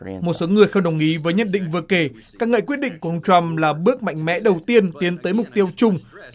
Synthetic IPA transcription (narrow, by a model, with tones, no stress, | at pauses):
mo˨˩t̚so˨˦ŋɨ˨˩əjxə˧ŋ͡mɗə˨˩wŋ͡mʔi˨˦vəː˨˦jɲə˧˨nɗḭ˧˨ŋ̟vɨ˨˩əke˧˩ | kaː˦˥k̚ŋə̰ː˧˨jkwi˦˥ət̚ɗḭ̈˧˨ŋku˧˩˨ʔə˧wŋ͡mt͡ɕwa˧mlaː˨˩ɓɨ˦˥ək̚ma̰˧˨jŋ̟mɛ̰˧˥ɗə˨˩wt̪i˧ənt̪i˨˦ənt̪əː˨˦jmʊ˨˩k͡p̚t̪i˧əwt͡ɕʊ˧ŋ͡m